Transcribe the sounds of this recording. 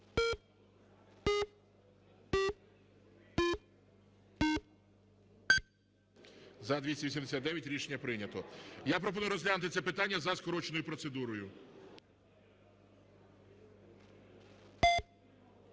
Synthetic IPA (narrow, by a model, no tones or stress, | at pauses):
zɐd̪ʋʲisʲɐʋʲisʲimd̪esʲat̪d̪ɛʋʲjɐtʲɾʲiʃenʲːɐpɾɪnʲɐt̪ɔjapɾɔp̬ɔnujʊɾɔzʲlʲanʊt̪ɪt̪sɛpɪt̪anʲːɐzɐskɔɾɔt͡ʃenɔjʊpɾɔt̪sed̪uɾɔjʊ